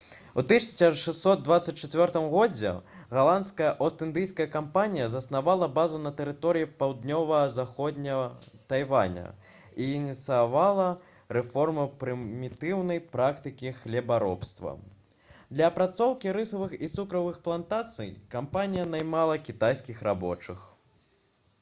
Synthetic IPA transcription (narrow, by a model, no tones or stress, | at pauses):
ut̪ɨsʲɐ̥sɐʂɛssːɔd̪̚d̪vat̪sɐt͡s̚ʲt͡ʃːat͡sʲvʲɔrt̪ɨmɣɔd͡zʲɛ̰ɣalˠant̪skɐjɐʔɐwst̪ɨnd̪ɨjskɐjɐkampanʲijɐzɐsnavalˠɐbazunɐt̪ɛɾɨt̪ɔɾɨjipawd̪nʲɔvɐzaxɔd̪ʲnʲɐt̪ajva̰nʲɐ̰ | iːnʲit̪sɨjavalˠɐ | rɛfɔrmɨpɾɨmʲit̪ɨwnɐjpɾakt̪ɨkʲixlʲɛbaɾɔpst̪vɐ̰ | d̪lʲɐːpɾat̪sɔwkʲiɾɨsɐvɨxit̪sukɾɐvɨxplˠant̪at̪sɨ̰jkampanʲijɐnajmalˠɐkʲit̪ajskʲixɾabɔt͡ʂɨx